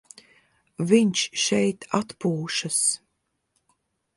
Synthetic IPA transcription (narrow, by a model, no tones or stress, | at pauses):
viɲʲʃʃɛjt̪ʰat̪puːʃas